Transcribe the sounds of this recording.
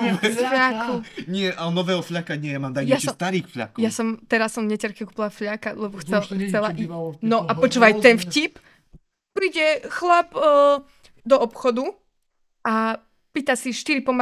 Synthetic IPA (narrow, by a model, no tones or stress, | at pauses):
ɛfʎakuɲɪɛʔalɛnɔʋɛːɦɔfʎakaɲɪɛjamaːmd̪aɲjast͡ʃɛst̪aɾiːxfʎa̰kɔjasɔmt̪ɛɾasːɔmvɲɛcɛɾkɛkuːpilˠafʎakalɛbɔxt͡sɛxt͡sɛlainɔʔapɔt͡ʃuʋajt̪ɛnfcip | pɾiːɟɛxlapː | d̪ɔɔpxɔd̪u | ʔa | piːt̪asiʃt̪iɾipɔma